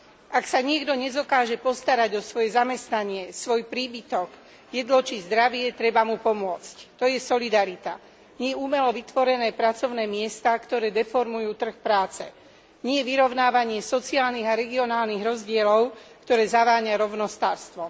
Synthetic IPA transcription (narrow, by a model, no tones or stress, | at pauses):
ʔaksaɲɪɛɡd̪ɔɲɛzɔkaːʒɛpɔst̪aɾaɟɔsʋɔjɛzamɛst̪naɲɪɛsʋɔjpɾiːbit̪ɔɡ | jɛd̪lɔt͡ʃizd̪ɾaʋɪɛt̪ɾɛbamupɔmʊɔt͡sct̪ɔjɛsɔlid̪aɾit̪a | ɲɪɛjɛumɛlɔʋit̪ʋɔɾɛnɛːpɾat͡sɔʊnɛːmɪɛst̪akt̪ɔɾɛːd̪ɛfɔɾmujuːt̪r̩xpɾaːt͡sɛ̰ | ɲɪɛjɛʋiɾɔʊnaːʋaɲɪɛsɔt͡siaːlniɣaɾɛɡiɔnaːlniɣɾɔzɟɪɛlɔʊkt̪ɔɾɛːzaʋaːɲaɾɔʊnɔst̪aːɾst̪ʋɔ